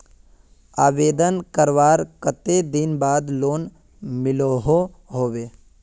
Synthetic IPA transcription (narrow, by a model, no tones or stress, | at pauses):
aːʋeːd̪ənkəɾʋaːɾkət̪ed̪ɪnbaːd̪loːn | mɪloɦo | ɦoːʋeː